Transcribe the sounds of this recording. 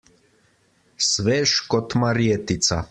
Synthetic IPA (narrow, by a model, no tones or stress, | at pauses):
svɛʃkʼɔt̪ʰmaɾiɛt̪it̪sʰa